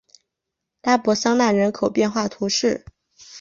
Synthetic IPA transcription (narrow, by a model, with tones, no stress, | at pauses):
la˥pwɔ˧˥sɑ˥ŋna˥˩nɻə˧˥nkʰo˨˩ʊpjɛ˥˧nxwa˥˩t̪ʰu˧˥ʂɻ̩˥˩